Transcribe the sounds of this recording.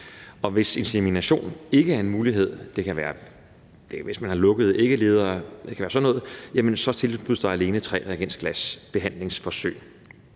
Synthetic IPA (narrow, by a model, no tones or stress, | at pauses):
ɒ̽ʋe̝se̝nseminæɕo̝̰ːne̝ɡ̥əæɐe̝nmuːliɦe̝ð̞̰ˠd̥e̝kʰæʋæːɐ | d̥eʋe̝smænhɑ̈lɔ̽ɡ̥əð̞̩ˠe̝ɡ̥əle̝ːð̞ˠɐːd̥e̝kʰæʋæːɐsɒ̽nːɔ̽ːð̩ˠjæmənsɒ̽t͡sʰe̝lb̥uð̰ˠd̥ɑ̈æle̝ːnət͡sʰʁɛ̰ːʁɛɡensɡ̥læsb̥e̝ɦæn̰le̝ŋsfɒ̽sø̰ɪ̰